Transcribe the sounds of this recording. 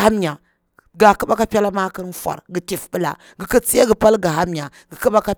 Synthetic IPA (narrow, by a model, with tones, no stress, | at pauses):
a˦m˦ɲa˨ | ɡa˨ku˦ɓa˦ka˦pʲa˦la˦ma˦kə˦n˦fʷa̰˨ɾɡi˨ti˨fbi˦la̰˨ | ɡi˨kə˦t͡se˦ɡə˨pa˦lɡa˨ɦa˦m˦ɲa˨ | ɡi˨ki˦ɓa˦ka˦